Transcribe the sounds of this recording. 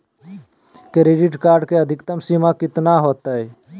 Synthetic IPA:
kɾeːɖɪʈkaːɾɖkeəd̪ʱɪkt̪əmsimakɪt̪naɦoːt̪aɦɛ

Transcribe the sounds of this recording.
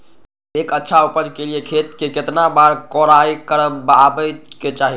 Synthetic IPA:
ekətːʃʰaupəd͡ʒkeliekʰet̪keket̪nabaɾkɔɾaikəɾəbabəket͡ʃaɦi

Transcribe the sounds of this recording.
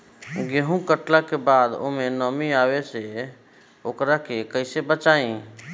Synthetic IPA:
ɡeɦũkəʈlakebad̪o̰menəmiaβese | okɾakekəɪsebət͡ʃaĩ

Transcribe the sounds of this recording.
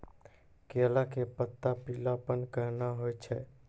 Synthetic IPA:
kelakepət̪ːapilapənkəɾnaɦojt͡ʃʰɛ

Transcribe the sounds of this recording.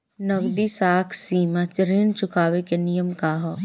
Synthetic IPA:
nɐɡd̪isaːkʰsiːmat͡ʃɾint͡ʃʊkʰaːʋekenijəmkaːɦɔ

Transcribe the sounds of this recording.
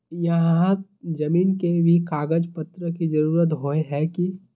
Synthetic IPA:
jɐɦãd͡ʒɐmiːnkebʱikaːɡəd͡ʒpɐt̪ɾəkid͡ʒɐɾuːɾət̪̬ɦoːeɦɛki

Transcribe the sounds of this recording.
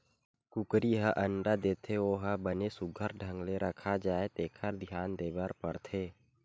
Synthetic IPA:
kʊkɾiɦaʔəɳɖad̪eːt̪ʰeoːɦəbənesʊɡʱəɾɖʱə̃ŋɡleɾʔəkʰad͡ʒaːet̪eːkʰəɾd̪ʱijaːnd̪eːbaɾpəɾt̪ʰeː

